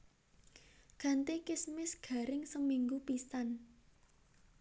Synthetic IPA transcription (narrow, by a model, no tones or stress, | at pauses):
ɡ̥a̤nt̪ekɪsmɪsɡ̥a̤ɾɪŋsəmiŋɡupisan